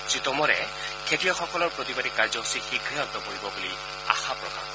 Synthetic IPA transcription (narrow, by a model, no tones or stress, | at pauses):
sit̪ɔmɔɾɛ | kʰetijɔxɔkɔlɔɹpɹot̪ibadikaɹd͡ʒɔɦusixikʰijɔt̪ɔpoɹibɔbuli | a̰xapɹɔka̰x